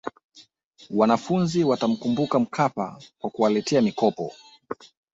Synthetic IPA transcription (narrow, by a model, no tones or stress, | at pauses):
wanafunziwatam̩kumbukam̩kʰapa̰kwakuwalɛtʰɛamikɔpɔ